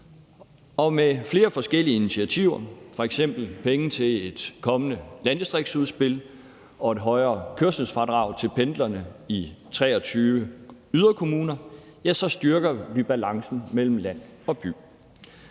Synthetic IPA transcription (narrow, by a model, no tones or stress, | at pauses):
ɒ̽mefle̝ːɐfɒ̽sɡ̥el̰iəinit͡sʰiæt͡sʰiʊ̰ɐfɒ̽eɡ̥sem̰b̥l̩pʰeŋət͡sʰe̝le̝d̥kʰɒ̽mənəlænd̥isd̥ʁeɡ̥suð̞ˠsb̥e̝l | ɒ̽e̝d̥ɦɒ̽ɪɐːkʰøɐsəsfɑ̈d̥ʁɑ̈ʊ̰t͡sʰe̝lpʰend̥lɐnəit͡sʰʁɛ̰ːɒt͡sʰyːʋəyð̞ˠɐkʰo̝muːnɐ | jæsɒ̽sd̥ɶɐɡ̥ɐʋib̥ælɑ̈ŋsn̩mel̰m̩læn̰ɒ̽b̥y̰ː